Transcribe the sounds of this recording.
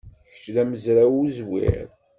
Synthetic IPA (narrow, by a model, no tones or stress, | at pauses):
çə̥t͡ʃlæməzɾawuzwḭɾ